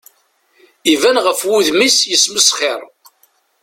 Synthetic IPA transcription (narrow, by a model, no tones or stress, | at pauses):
ivænʁəfwuðmisjəsməsχɪɾˤ